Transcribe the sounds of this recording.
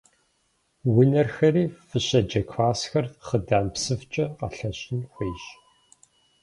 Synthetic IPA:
wʊnɐrxɐriːfɨɕɐd͡ʒɐkʷʰaːsxɐrχədaːmpsɨft͡ʃʼɐqɐ̰ɬɐɕʼɪnχʷiːɕ

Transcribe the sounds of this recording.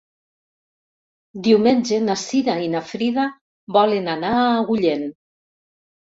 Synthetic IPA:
d̪iwmenʲd͡ʒenasiðainafɾiða | bɔlenanaːɣuʎen

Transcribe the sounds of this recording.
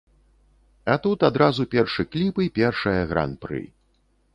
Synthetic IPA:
at̪ut̪ad̪ɾazupʲɛrʂɨklʲipɨjpʲɛrʂɐjɐɣɾa̰npɾɨ̰

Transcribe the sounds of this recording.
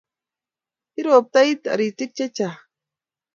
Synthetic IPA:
iɾoːp̚t̪ajt̪a̰ɾit̪it͡ʃat͡ʃa

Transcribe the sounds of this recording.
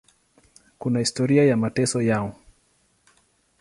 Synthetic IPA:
kunahistɔɾiajamatɛsɔjaɔ

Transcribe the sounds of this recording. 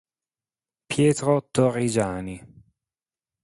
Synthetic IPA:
pjeːt̪ɾot̪orːid͡ʒaːni

